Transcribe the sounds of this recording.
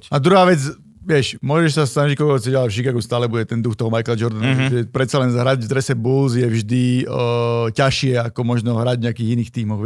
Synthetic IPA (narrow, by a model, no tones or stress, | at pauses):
ad̪ɾuɦaːʋɛd͡z | ʋɪɛʃmʊɔʒɛʃsasnaʒickɔlkɔkɔt͡sɛɟalafʃikaːɡɔst̪aːlɛbuɟɛt̪ɛnd̪uxt̪ɔɦɔmajklad͡ʒɔɾd̪anaɛpɾɛt̪̚t͡salɛnzɦɾaɟvd̪ɾɛsɛbulzjɛvʒd̪i | caʃɪɛakɔmɔʒnɔɦɾaɟvɲɛakiːɣiniːxt̪iːmɔɣ